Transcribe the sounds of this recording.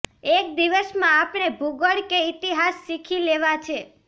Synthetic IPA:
ek̚d̪iʋəsmãːpnebʱuɡəɭkeit̪iɦasːikʰileʋat͡ʃʰe

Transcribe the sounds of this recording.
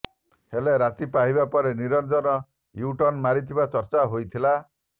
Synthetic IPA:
heleɾat̪ipaɦibapɔɾeniɾɔnd͡ʒɔnɔ | juʈɔnmaɾit̪ʰibat͡ʃɔɾt͡ʃaɦojt̪ʰila

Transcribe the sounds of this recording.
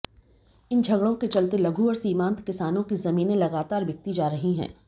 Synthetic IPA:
ɪnd͡ʒʱɐɡɽõket͡ʃɐlt̪elɐɡʱuɔːɾsiːmãːnt̪kɪsaːnõkizɐmĩːnẽlɐɡaːt̪aːɾʋjɐk̚t̪id͡ʒaːɾɐɦiɦɛ̰̃ː

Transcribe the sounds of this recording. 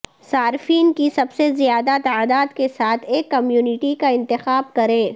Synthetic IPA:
saːɾfiːnkisɐbsezijaːd̪at̪aaːd̪aːd̪kesaːt̪ʰeːkːɐmjuːnɪʈikaɪ̃nt̪ɪxaːbkɐɾẽː

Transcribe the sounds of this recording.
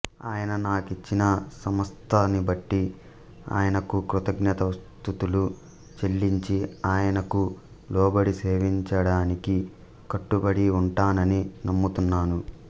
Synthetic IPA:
aːjɐnɐnaːkit͡ʃːinɐsɐmɐst̪ʰɐnibɐʈːi | a̰ːjɐnɐkukɾut̪ɐɡɲɐt̪ɐʋɐst̪ut̪ulu | t͡ʃeɭːiɲt͡ʃiaːjɐnɐku | lɔːbɐɽiseːʋiɲt͡ʃɐɽaːniki | kɐʈːubɐɽiuɳʈaːnɐninɐmːut̪unːaːnu

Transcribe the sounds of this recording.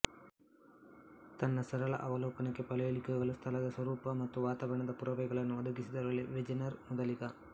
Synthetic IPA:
t̪ɐnːɐsɐɾɐɭɐ̰ʔɐʋɐlɔːpɐnɐkːepɐlɐjeɭikɐːɡɐɭɐst̪ʰɐlɐd̪ɐsʋɐɾuːpɐmɐt̪ːuʋaːt̪aːʋɐɳɐd̪ɐpuɾɐʋɛɡɐɭɐnːuɐd̪ɐɡisid̪ɐɾɐɭːeʋed͡ʒinɐɾmud̪ɐlikɐ

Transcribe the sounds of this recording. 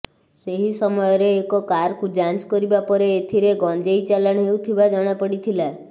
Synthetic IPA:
seɦisɔmɔjɔɾeːkɔkaɾkud͡ʒant͡ʃkɔɾibapɔɾeːt̪ʰiɾeɡɔnd͡ʒejt͡ʃalaɽ̃ɦewt̪ʰibad͡ʒɔɽ̃apɔɽit̪ʰila

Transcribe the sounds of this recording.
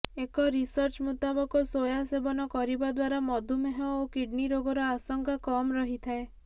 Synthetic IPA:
ekɔɾisɔɾt͡ʃmut̪abɔkɔsojasebɔnɔkɔɾibad̪waɾamɔd̪ʱumeɦɔokiɖniɾoɡɔɾɔasɔŋkakɔmɾɔɦit̪ʰae

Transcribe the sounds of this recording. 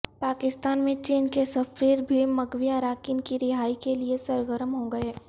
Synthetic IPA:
paːkɪst̪aːnmẽt͡ʃiːnkesɐfɾiːɾbʱimɐɡʋijaɾaːkɪnkiɾɪɦaːikeliesɐɾɡəɾəmɦõːɡɐeː

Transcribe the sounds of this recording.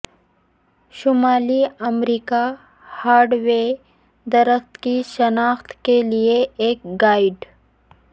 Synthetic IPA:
ʃʊmaːliɐmɾiːka | haːɾɖwe | d̪ɐɾəxt̪kiʃɐnaːxt̪kelieeːkɡaːɪɖ

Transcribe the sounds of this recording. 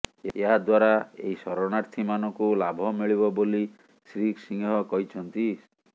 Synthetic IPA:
eɦad̪waɾaḛɦisɔɾɔɽaɾt̪ʰimanɔkulabʱɔmiɭiβɔboli | sɾiksiŋɦɔkɔɦit͡ʃʰɔnt̪i

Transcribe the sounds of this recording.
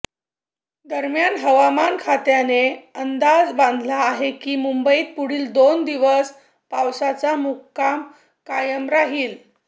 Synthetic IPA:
d̪əɾmjanɦəʋamankʰat̪janeənd̪ad͡zband̪ʱlaːɦekiːmumbəiːt̪̚puɽ̤iːld̪ond̪iʋəs | pawsat͡samukkam | kajəmɾaɦiːl

